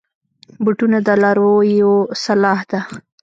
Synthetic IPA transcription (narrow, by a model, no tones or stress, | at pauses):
buʈunad̪alɑɾwojosalɑhd̪a